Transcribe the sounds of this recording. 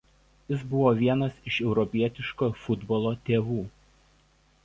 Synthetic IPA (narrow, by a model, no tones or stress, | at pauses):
jɪsbʊʋoːʋʲiɛnɐsɪʃɛʊɾɔpʲiɛt̪ʲɪʃkoːfʊd̪bɔlˠoːt̪ʲeːʋuː